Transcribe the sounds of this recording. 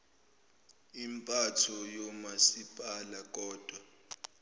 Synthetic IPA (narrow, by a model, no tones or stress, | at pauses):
impʼatʰɔjɔmasipʼalak̬ʼɔːd̥ʱwa